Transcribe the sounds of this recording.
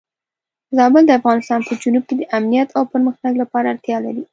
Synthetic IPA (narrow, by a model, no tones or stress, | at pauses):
zɑbəld̪əafɣɑnɪst̪ɑnpəd͡ʒunub̚ked̪əʔamnijat̪ʰawpəɾməxnaɡlapɑɾaːɾt̪jɑlaɾi